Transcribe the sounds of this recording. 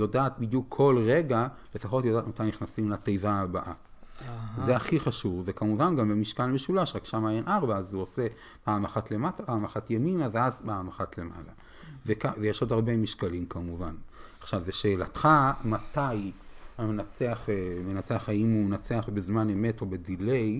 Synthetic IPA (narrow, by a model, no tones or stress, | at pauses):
jo̞daːt̪̚bidjukʰːo̞lʁe̞ɡale̞faχo̞tjodaːtmat̪ajniχnasimlatejvaːbaʔa | zeaχiχaʃuvvekamuvanɡambemiʃkalme̞ʃulaʃʁakʃamaːjanʔaʁbaazuose̞ | baamaχatle̞matabaːmaχatjeminaveazbeamaχatle̞ma̰la | vekavejeʃodaʁbemiʃkalimkamuvanaχʃavːeʃe̞ːla̰t̪χamat̪ajamenat͡se̞aχemenat͡seaχaimumenat͡se̞aχbezmaneme̞to̞bedile̞j